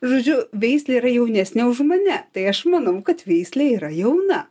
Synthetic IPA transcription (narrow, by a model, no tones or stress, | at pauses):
ʒoːd͡ʒʲʊʋʲɛɪsʲlʲɛiːɾɐjɛʊnʲæsʲnʲɛʊʃmɐnʲɛt̪ɐɪɐʃmɐnɐʊkɐt̪ʋʲɛɪsʲlʲɛiːɾɐjɛʊnɐ